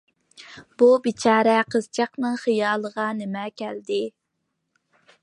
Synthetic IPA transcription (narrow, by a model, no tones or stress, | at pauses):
b̥ubit͡ʃʰɑːɾɛqʰəzt͡ʃʰɑqnɨŋχijɑːlˠəʁɑnɪmɛkʲʰɛld̪ɪ